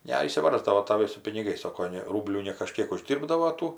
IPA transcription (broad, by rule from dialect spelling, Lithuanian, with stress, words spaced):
nʲɛɪʃʲsʲɪˈʋɐrzdɐʋoː tɐˈʋɐɪ sʊ pʲɪnʲɪˈɡɐɪs ˈsoːkoː ˈnʲɛ ˈruːbʲlʲuː nʲɛkɐˈʃʲkʲiɛk ʊˈʒʲdʲiːrbdɐʋoː ˈtuː